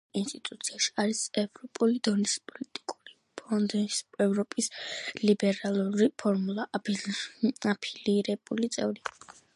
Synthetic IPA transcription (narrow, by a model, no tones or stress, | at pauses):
inst̪ʼit̪ʼut̪sʰiaʃi̥aɾisɛvɾɔpʼulid̪ɔnispʼɔlit̪ʼi̥kʼuɾi | pʰɔnd̪ɛvɾɔpʼislibɛɾalˠuɾipʰɔɾmulˠa | apʰiliɾɛb̥ulit̪sʼɛvɾi